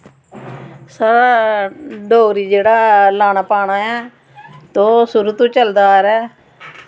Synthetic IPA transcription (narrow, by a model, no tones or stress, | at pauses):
saːɾaː | ɖoːɡɾiːd͡ʒeːɽaːlaːnaːpaːɽaːɛː | t̪oːsʊɾut̪ũːt͡ʃəld̪aːɾɛː